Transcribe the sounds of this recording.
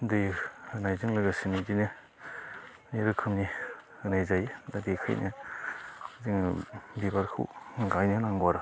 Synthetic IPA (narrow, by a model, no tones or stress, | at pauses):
dɯjhɯnajzɯŋlɯɡasinidinɯ | niɾɯkʰɯmni | hɯnajzajdadikʰɯ̰jnʔɯ | ziŋbibaɾkʰṵŋɡajnɯnaŋɡaɾa